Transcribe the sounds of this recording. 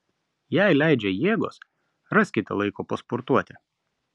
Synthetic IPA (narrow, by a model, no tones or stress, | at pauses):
jæˑɪlʲæˑɪd͡ʒʲɛjeːɡo̰ːs | ɾɐsʲkʲɪt̪ʲɛlˠɐɪkoːpɐspɔɾt̪uɔt̪ʲɪ